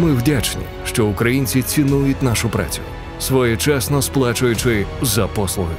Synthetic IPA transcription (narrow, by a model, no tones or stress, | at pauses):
mɪwdʲat͡ʃnʲḭ | ʃt͡ʃɔʊkɾɐjinʲt͡sʲit͡sʲinujʊtʲnaʃʊpɾa̰t͡sʲʊ̰jʊ | sʋɔjɛt͡ʃɛsnɔsplˠat͡ʃʊjʊt͡ʃɪzɐpɔslˠʊɦɪ